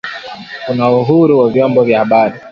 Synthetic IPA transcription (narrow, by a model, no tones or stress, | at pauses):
kunauɦuɾuwavjɔmbɔvjahaɓaɾi